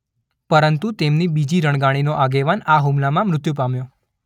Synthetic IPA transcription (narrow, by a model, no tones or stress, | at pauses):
pəɾənt̪ut̪emnibid͡ʒiɾəɳ̃ɡaɽ̃inoʔaɡeʋanaɦumlamãmɾʊt̪jupamjo